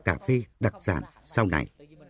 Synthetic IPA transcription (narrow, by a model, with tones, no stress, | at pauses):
kaː˧˩fe˧ɗa˨˩k̚z̥a̰ː˧˩nsa˧wna̰˨˩j